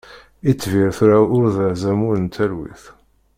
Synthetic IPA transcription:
it͡sːviɾθɾaʊɾðəʕzæmʊɾənt̪ʰælwḭθ

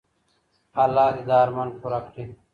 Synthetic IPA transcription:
ɐlaːid̪aːɾmɐnkuɾɐkʰʈi

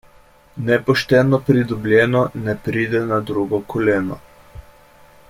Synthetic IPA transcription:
nɛpɔʃt̪ɛnɔpɾid̪ɔblʲjɛːnɔnɛpɾiːd̪ɛnad̪ɾuɡɔkʰɔlɛːnɔ̰

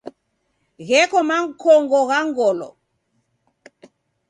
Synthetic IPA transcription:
ɣɛkɔmaŋ̩kʰɔŋɡɔɣaŋɡɔlɔ̰

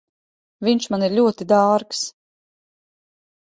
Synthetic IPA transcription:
vinʃmaniɾlʲuɔt̪id̪aːɾks

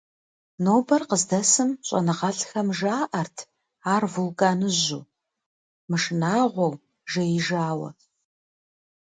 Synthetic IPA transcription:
noːbɐrqəzdɐsɨmɕʼɐ̰nɨʁɐɬxɐmʒaːʔɐrtʰ | aːrvulɡaːnɨʑuː | mɨʂɨnaːʁʷɔw | ʒɐjɪʒaːwɐ̰

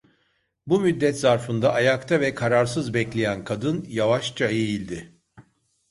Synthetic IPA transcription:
bumyd̪ːɛt̪zaɾfɯnd̪aʔːjakt̪ʰavɛkʰaɾaɾsɯzbɛclʲe̞jænkʰad̪ɯnjavaʃt͡ʃʰaejilʲd̪ɪ

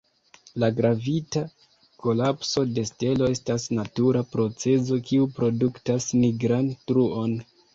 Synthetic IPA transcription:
laɡɾavita | ko̞lapso̞de̞ste̞lo̞e̞stasnatuɾapɾo̞t͡se̞zo̞kiupɾo̞duktasmiɡɾantɾuo̞n

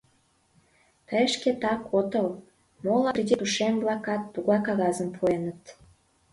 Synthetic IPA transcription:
pəʃket̪ɑkot̪əl | molɑprʲid̪ʲit̪uʃemblɑkɑt̪ːuɣɑkɑɣɑzəmpʰuenət̪

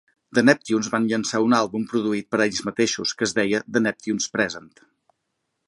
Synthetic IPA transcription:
d̪ənɛp̚t̪junzβanʎənsaunalˠβumpɾuðuit̪̚pəɾɛʎzmət̪eʃuskəːzðɛjəd̪ənɛp̚t̪junspɾɛzənt̪

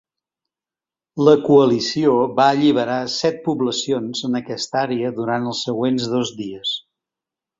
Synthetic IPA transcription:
ləkuəlisioβaəʎiβ̞əɾasɛt̪̚puβləsionzənəkɛst̪aɾeəðuɾant̪əlˠsːəɣwenzðɔzdiəs

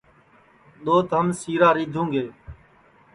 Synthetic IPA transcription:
ɗ̪oːt̪ɦəmsiːɾaːɾiːd̪ʱũːɡeː

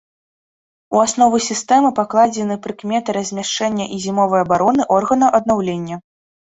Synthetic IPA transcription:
uasnɔvɨsʲist̪ɛmɨpaklˠad͡zʲɛnɨpɾɨkmʲɛt̪ɨɾɐzʲmʲaʂt͡ʂɛnʲːɐʔizʲimɔvɐjɐbaɾɔnɨʔɔrɣɐnɐʔɐd̪̚nawlʲenʲːɐ

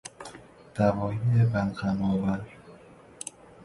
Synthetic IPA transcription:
d̪̥ævɒːjijebænqæmɒːvæɾ

